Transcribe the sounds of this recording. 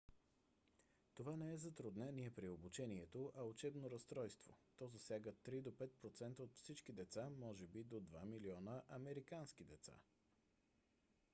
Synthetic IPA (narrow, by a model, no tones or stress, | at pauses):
t̪ovanɛɛzɐt̪ɾʊd̪nɛniɛpɾiobʊt͡ʃɛniɛt̪oʔɐʊt͡ʃɛbnoɾɐst̪ɾɔjst̪vo̰t̪ɔzɐsʲjaɡət̪ːɾid̪opɛt̪̚pɾot̪sɛnt̪əot̪fsit͡ʃkid̪ɛt̪samɔʒɛbid̪od̪vamiliɔnəʔɐmɛɾikansk̟id̪ɛt̪sa̰